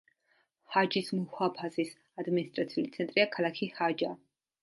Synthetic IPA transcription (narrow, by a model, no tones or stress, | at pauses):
had͡ʒismuhwapʰazis | ad̪minist̪ʼɾat̪sʰiulit̪sʰɛnt̪ʼɾiakʰalˠakʰihad͡ʒa